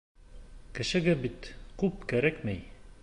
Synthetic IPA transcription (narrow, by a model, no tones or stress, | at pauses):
kɘ̆ʃɘ̆ɡɘbit̪kʉp̚kæɾækmæj